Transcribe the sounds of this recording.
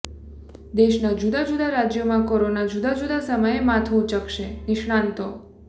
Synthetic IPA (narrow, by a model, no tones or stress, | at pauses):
d̪eʃnad͡ʒud̪ad͡ʒud̪aɾad͡ʒjomãkoɾonad͡ʒud̪ad͡ʒud̪asəməjemat̪ʰuut͡ʃəkʃenɪʃɽ̃ant̪o